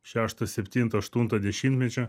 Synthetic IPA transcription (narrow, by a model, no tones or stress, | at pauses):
ʃʲaʃt̪ɐsʲepʲt̪ʲint̪ɐɐʃt̪unt̪ɐd̪ʲeʃʲinʲt̪ʲmʲet͡ʃʲe